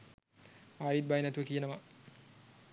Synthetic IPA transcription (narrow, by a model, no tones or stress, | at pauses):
aːjit̪̚bajnæt̪uʋəkijənəʋa